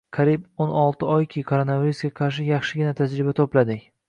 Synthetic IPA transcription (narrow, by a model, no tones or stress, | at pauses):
kʰɑɾibonɒlˠt̪ʰɪɒjkʲʰɪkʰoɾonaviɾusɡʲaqʰɑɾʃ̬ɪjɑχʃɪɡʲɪnat̪ʰad͡ʒɾɪbat̪ʰoplad̪ɪkʲ